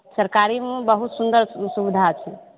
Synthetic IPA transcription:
səɾkaɾimebəɦut̪sund̪əɾsubid̪ʱat͡ʃʰi

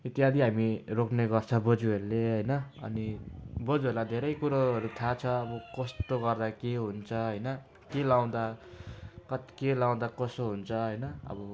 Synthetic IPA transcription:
it̪iad̪iɦamirokʰneɡʌrt͡sʰʌbod͡zuelːeɦʌjnʌʌ̰nibod͡zuelad̪ʱeɾʌjkuɾaʌɾut̪ʰat͡sʰʌːbʌkʌst̪oɡʌrd̪akeɦunt͡sʰʌɦʌjnʌ | kelaw̃d̪a | kʌt̪i̥kelaw̃d̪akʌsoɦunt͡sʰʌɦʌjnʌʌ̰bʌ

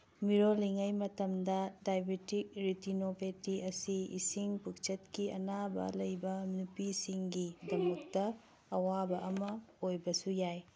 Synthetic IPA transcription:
miɾoliŋɐjmɐtɐmdɐdajbetik̚ɾitinopʰetiʔɐsiḭsiŋpuk̚t͡ʃɐt̚kiɐ̰nabɐ̰lɐjbɐnupisiŋɡidɐmɐk̚tɐː | wabɐʔɐmɐojbɐsujaj

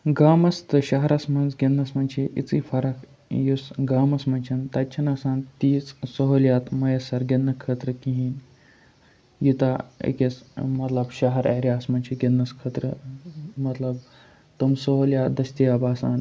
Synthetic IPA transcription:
ɡaːmɐst̪ɨɕɐɦɐɾɐsmɐnd͡zɡʲenːɐsmɐnt͡ʃʰiʔḭt͡sifɐɾɐk | jusɡaːmɐsmɐnt͡ʃʰɐnt̪ɐt͡ʃʰɐnasãːnt̪iːt͡ssoɦoljaːt̪mɐjɐsɐɾɡenːɐkʰəːt̪ɾəkĩɦiːn | jut̪aḭkʲesmɐt̪lɐbʃɐɦɐɾeɾʲjaːsmɐnʲt͡ʃʰiɡʲenːɐskʰəːt̪ɾə̰mɐt̪lɐb | t̪umsoɦoljaːd̪ɐsʲt̪iɐbaːsaːn

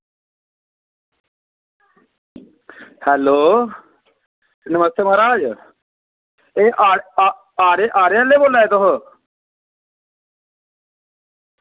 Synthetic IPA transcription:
hɛːloː | nəməst̪eːməɦaːɾaːd͡ʒ | eːʔaː | aːɾeːʔaːɾeãːleːboːlːaːeːt̪ʊɦ

